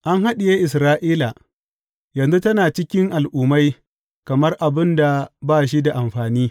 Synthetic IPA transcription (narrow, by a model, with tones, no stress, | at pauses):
ʔa˦ŋha˦ɗɪ˨jeː˦ʔɪ˨s̬ɾaː˦ʔiː˦la˨ | jɐ˨nzu˦tɐ˦naː˨t͡ʃɪ˦kʲɪ˦ŋʔa˨lʔuː˨ma˦j | kɐ˨mɐ˦rʔa˨bɪ˦nda˨baː˦˨ʃ̬i˦da˨ʔa˨mɸaː˨niː˦